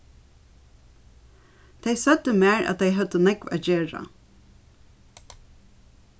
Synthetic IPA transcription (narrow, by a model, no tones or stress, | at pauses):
t̪ʰejsœt̪ːəmæːɹæ̰t̪̚d̪ejɦœt̪ənɛkʋa̰d͡ʒeːɹa̰